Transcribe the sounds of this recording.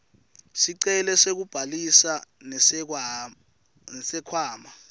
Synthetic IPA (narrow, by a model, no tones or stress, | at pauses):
siǀɛlɛsek̬ub̥ʱalisa | nɛ | ɛsɛkʰwaːma